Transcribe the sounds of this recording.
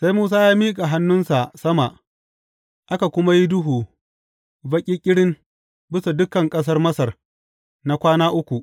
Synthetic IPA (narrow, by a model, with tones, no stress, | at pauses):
sa˦jmuː˦s̬aː˦jaː˦miː˦kʼa˨ɦa˦nːʊ˦nsa˨ʔsɐ˦ma˨ʔ | ʔa˦ka˨kʷʊ˦ma˦ji˦dʊ˦ɦuː˨ | bɐ˦kʲʼiː˦kʲʼɪ˦ɽɪ˦n | bɪ˦sa˨dʊ˦kːɐ˨ŋkʼɐ˦s̬ɐ˦rmɐ˦sɐ˨r | na˦kʷaː˦naː˦ʔʊ˦kʷu˨ʔ